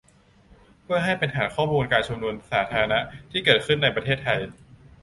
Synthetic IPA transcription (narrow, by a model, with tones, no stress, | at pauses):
pʰu˥˩əjɦa˥˩jpe˧nʰaː˩˦nkʰɔː˥˩muː˧nkaː˧nt͡ɕʰu˧mnu˧ənsaː˩˦t̪ʰaː˧ɾa˧na˦˥ʔt̪ʰiː˥˩kɤː˨˩t̪̚kʰɯ˥˩nːa˧jpɾa˧t̪ʰeː˥˩t̪ʰːa˧j